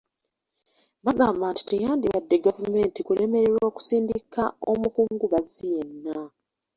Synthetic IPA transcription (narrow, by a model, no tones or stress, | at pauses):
βaɡaːmbaːnti̥tejaːndiβadːe̞ɡavume̞ːntikule̞me̞ɾeɾo̞ːku̥siːndikao̞̰mukuːŋɡuβazije̞nːa